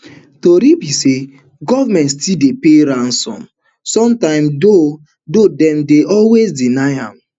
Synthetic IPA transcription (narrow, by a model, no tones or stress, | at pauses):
toɾibise | ɡɔvamɛ̃ntstildepeɾãnsɔ̰̃m | sɔ̃mtãɪ̃mdo | dodɛ̃mdeʔɔlwezdinaɪã̰m